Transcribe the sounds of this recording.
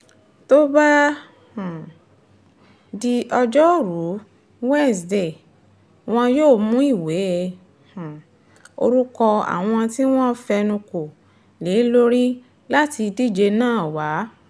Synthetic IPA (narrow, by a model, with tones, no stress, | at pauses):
to˦ba˦ | h | di˧ʔɔ˧d͡ʒɔ˦˨ɾu˨˦ | wɛ˦˨sde˦˨ | w̃ɔ̃˧joː˦˨mũ˦i˦˨we˨˦ | h̩˨ | o̰˧ɾu˦kɔ˧a̰˨w̃ɔ̃˧ti˦w̃ɔ̃˦fɛ˧nũ˧ko˨ | le˨˦lo˦ɾi˦ | la˦ti˧di˦˨d͡ʒe˧nãː˦˨wa˨˦